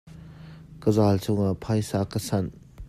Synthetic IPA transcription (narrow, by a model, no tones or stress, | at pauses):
kɐzalt͡soŋɐpʰajsakɐsan